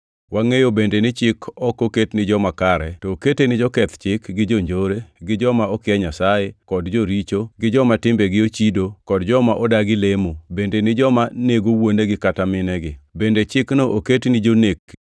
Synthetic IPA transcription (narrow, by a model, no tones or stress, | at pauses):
waŋejobendenɪt͡ʃɪkʰɔkoketnɪd͡ʒɔmakaɾɛtoːketenɪd͡ʒɔkɛt̪t͡ʃɪkɡɪd͡ʒoɲd͡ʒoɾeɡɪd͡ʒɔmaɔkɪɛɲasajekɔdd͡ʒoɾit͡ʃoɡɪd͡ʒɔmatɪmbeɡɪot͡ʃidokɔdd͡ʒɔmaʔɔdaɡɪlemobendenɪd͡ʒɔmaneɡowoneɡɪkatamɪnɛɡɪbendet͡ʃɪknoʔoketnɪd͡ʒonek